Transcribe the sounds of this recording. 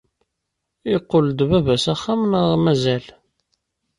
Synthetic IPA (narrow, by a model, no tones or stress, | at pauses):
iqːold̪βævæsæχːæmnəʁmæzæl